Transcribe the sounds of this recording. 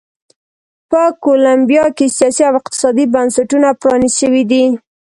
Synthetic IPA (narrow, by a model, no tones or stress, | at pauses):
pəkolambijɑkesijɑsiawɪq̚t̪ɪ̥sɑd̪ibansaʈunapɾɑnisʃəwid̪i